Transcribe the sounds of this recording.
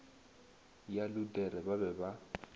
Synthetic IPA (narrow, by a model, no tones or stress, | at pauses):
jaludɛɾɛbabɛba